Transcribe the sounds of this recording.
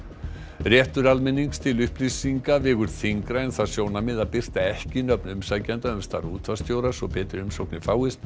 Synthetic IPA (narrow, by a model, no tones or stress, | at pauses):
rjɛht̪ʏɾalmɪnːiŋst̪ʰɪlʏhplisiŋkavɪːɣʏɾ̥θiŋkɾaɛnθaðsjoːwnamɪðaðpɪr̥t̪aɛhcɪnœp̚nʏmsacɛnt̪aʏmst̪a̰ɾuːt̪ʰvast̪jowɾasɔpʰɛːt̪ɪɾʏmsowknɪfaːwɪst̪